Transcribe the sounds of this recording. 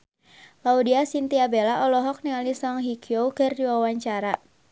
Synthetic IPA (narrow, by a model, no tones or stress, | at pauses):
laudiasint̪iabelaʔɔlɔɦɔk̚niŋalisɔŋɦikʰiowkɨrdiwawaɲt͡ʃaɾa